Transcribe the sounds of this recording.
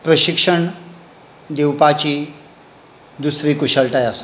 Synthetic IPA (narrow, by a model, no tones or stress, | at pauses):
pɾəɕikʂəɳ | d̪ewpat͡ɕiː | d̪usʋiːkuɕəɭʈajas